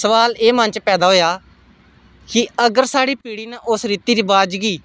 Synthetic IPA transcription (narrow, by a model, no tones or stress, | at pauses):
səʋaːleːmənt͡ʃpɛːd̪aːɦoːjaː | kɪəɡəɾsaːɽiːpiːɽiːnəʔʊsɾiːt̪iːɾiːbaːd͡ʒɡiː